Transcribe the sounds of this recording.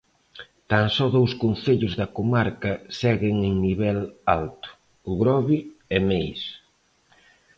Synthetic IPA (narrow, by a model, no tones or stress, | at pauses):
t̪aŋsɔðowskonθeʎʊzðɐkomaɾkɐsɛɣɪŋeŋniβɛla̰lt̪ʊ̥ | ʊɣɾɔβiɛmejs